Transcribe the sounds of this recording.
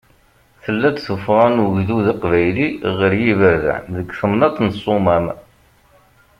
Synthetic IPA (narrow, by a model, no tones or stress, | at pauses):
θəlːæt͡sθəfʁɑnʝðuðɑqvæjliʁəɾjivəɾða̰nðəɡθəmnɑt̪ːˤnəsˤʊmæm